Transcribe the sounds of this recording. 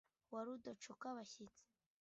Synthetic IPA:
waɾudoʈ͡ʂʰukaβaɕit͡sʰ

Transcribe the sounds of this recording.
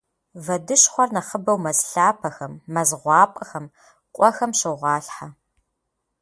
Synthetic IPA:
vɐdɨʃχʷɔrnɐχəbɐwmɐzɬaːpʰɐxɐmːɐzʁʷɑːpʼɐxɐm | qʷʼɔxɐmʃɨʁʷɑːɬħa

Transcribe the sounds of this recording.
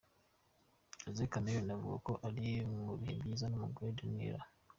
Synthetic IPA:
ezekameɾonavuɡa̰ko̞ʔaɾimuβiḭmbizanoːmuɡoedinḭɾa

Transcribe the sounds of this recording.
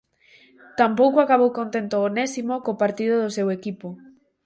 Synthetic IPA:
t̪ampowkoakaβ̞owkõnt̪ent̪oːnɛsimokopaɾt̪iðʊðʊsewekipo

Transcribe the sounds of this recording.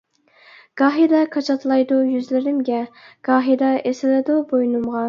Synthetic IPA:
ɡ̥ɑːɦid̪ɑkʰɑt͡ʃʰɑt̪lˠɑjd̪ujyzlɪɾɪmɡʲɛɡ̥ɑːɦid̪ɑʔesɪlɪd̪ubojnumʁɑ

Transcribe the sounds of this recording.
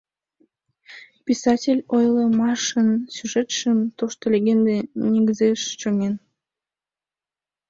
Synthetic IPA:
pʲisɑtʲelʲojlˠəmɑʃənsʲyʒet̪ʃəmt̪oʃt̪olʲeɣend̪enʲeɡəzeʃt͡ɕoŋen

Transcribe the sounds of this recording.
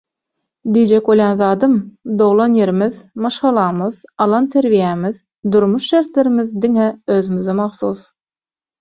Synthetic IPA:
d̪ijd͡ʒekwolˠjɑnðɑːd̪ɯmd̪o̞ʁlˠɑnje̞ɾimiðmɑʃʁɑlˠɑːmɯðɑlˠɑnt̪ʰe̞ɾvijæmið | d̪uɾmuʃʃe̞ɾt̪lʲe̞ɾimiðd̪iŋeøzymizemɑχθus

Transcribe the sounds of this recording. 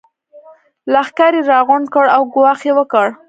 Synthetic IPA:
laxkaɾeɾɑɣʊɳɖkəɽawɡwɑxjewəkəɽ

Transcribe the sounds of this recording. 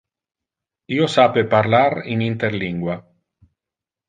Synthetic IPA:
iosapepaɾlaɾḭnint̪eɾliŋɡwa

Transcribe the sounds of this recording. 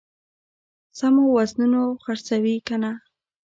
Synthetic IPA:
samowaznunoxaɾt͡sawikana

